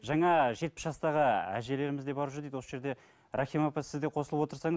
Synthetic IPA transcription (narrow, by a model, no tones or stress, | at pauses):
ʒɑɴɑʒe̞t̪̚pɪsʒɑst̪ɑʁəæ̰ʒe̞le̞ɾɪmɪzd̪e̞bɑɾʒɾd̪ejd̪wo̞səʒe̞ɾd̪e̞ | ɾɑχimopesɪzd̪eqʰo̞səlˠəpwot̪əɾsɑɴ